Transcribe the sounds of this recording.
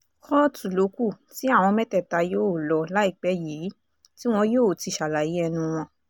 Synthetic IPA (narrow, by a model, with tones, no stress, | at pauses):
kɔ˦tu˨lo˨˦ku˦˨ | ti˦a˦˨w̃ɔ̃˧mɛ˦tɛ˦˨ta˧joː˦˨lɔ˧la˦i˦˨k͡pɛ˨˦ji˨˦ | ti˦w̃ɔ̃˧joː˦˨ti˧ʃa˨la˨ji˨˦ɛ˧nũ˧w̃ɔ̃˧